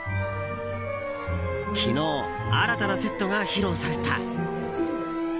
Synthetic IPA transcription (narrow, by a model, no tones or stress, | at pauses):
kʲʰino̞ː | aɾat̪anase̞t̪ːo̞ɡaçiɾo̞ːsaɾe̞t̪a